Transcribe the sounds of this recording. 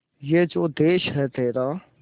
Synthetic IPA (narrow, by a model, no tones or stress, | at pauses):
jeːd͡ʒoːd̪eːʃɦɛt̪eːɾaː